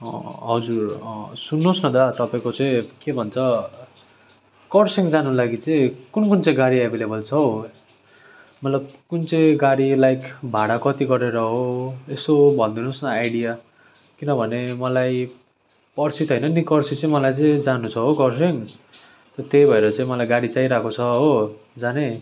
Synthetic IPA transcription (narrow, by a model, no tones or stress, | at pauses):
ʌ̰ɦʌd͡zursunːosnʌd̪ʌt̪ʌpaĩkot͡sʌĩkebʱʌnt͡sʰʌ | kʌrsiŋd͡zanulaɡit͡sʌ̃ĩkunkunt͡sʌ̃ĩɡaɽiebʱelebʌlt͡sʰʌ | mʌt̪lʌb̚kunt͡sʌĩɡaɽilajkʰbʱaɽakʌt̪iɡʌɾeɾʌɦoesobʱʌnd̪inusnʌajɽija | kinʌbʱʌnemʌlaj | pʌrsit̪ɦʌjnʌnikʌrsit͡sʌ̃ĩmʌlajt͡sʌĩd͡zanut͡sʰʌɦokʌrsiŋ | t̪ʌt̪ejbʱʌeɾʌt͡saĩmʌlajɡaɽit͡sajɾakʰot͡sʰʌɦo | d͡zane